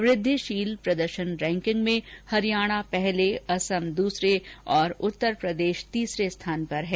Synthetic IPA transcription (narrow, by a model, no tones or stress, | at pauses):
ʋɾɪd̪ʱːiʃiːlpɾɐd̪əɾʃənɾɛ̃ːŋkɪ̃ŋɡmẽhɐɾijaːɽ̃apɛɦleɐsəmd̪uːsɾeɔːɾʊt̪ːəɾpɾɐd̪eːʃt̪iːsɾest̪ʰaːnpɐɾɦɛː